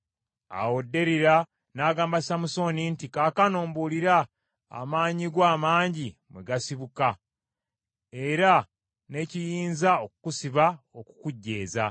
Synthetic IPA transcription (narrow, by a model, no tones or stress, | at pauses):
a̰wodːe̞ɾiɾa | naːɡaːmbasamuso̞nintikaːkanoːmboliɾa | a̰maːɲiɡwaːmaːɲɟimweɡasiβuka | e̞ɾa | ne̞cijiːnzaoku̥kusiβa | oku̥kuɟːe̞ːza̰